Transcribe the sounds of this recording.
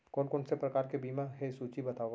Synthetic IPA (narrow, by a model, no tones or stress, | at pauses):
kɔːnkɔːnsepɾɐkaːɾkebiːmaɦesuːt͡ʃibɐt̪aːo